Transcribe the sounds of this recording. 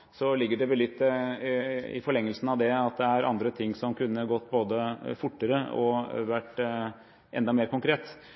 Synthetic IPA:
sɔlɪɡːəɖɛʋɛlɪt̪ː | ɪ̰fɔɭɛŋːəlsn̩ɑʋd̪ɛɑt̪̚d̪ɛæɾɑ̰nd̪ɾət̪ʰɪŋːsɔmkʉnːəɡɔt̪ːboːd̪əfʊʈːəɾəɔ̰ʋæʈː | ʔɛ̰nd̪ɑmeːɾkʊŋkʰɾeːt̪

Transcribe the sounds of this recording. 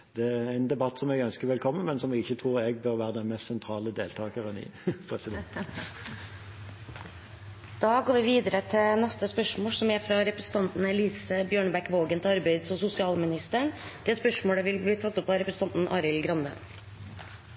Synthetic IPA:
d̪̥ɛææɪnd̪ɛbɑt̪ːsɔmɛɡœnskəɾʋɛlkʰɔmːənmɛnsɔmʋɪɪçːət̪ʰɾuːʁɛɡ̚bœʁʋæːʁəd̪ɛnmɛst̪sɛnt̪ʰɾɑːləd̪eːlt̪ʰɑːkəʁənɪ̰pʰʁɛsɪd̪ | d̪̥ɑːɡoːɾʋɪʋiːd̪əɾət̪ʰɪnɛst̪əspœʂmoːsɔmæfɾɑɾɛpɾəsə̥ɑnt̪n̩ɛliːsəbjøːɳəbækʋoːɡənt̪ʰɪɑɾbæɪd̪sɔsʊsɪɑːlmɪnɪst̪əɳd̪̥ɛːspœʂmoːɽəʋɪlbliːt̪ʰɑt̪ːɔpːɑɾɛpɾəsə̥nɑnt̪n̩ʔɑ̰ːɾɪlɡɾɑnd̪ə̰

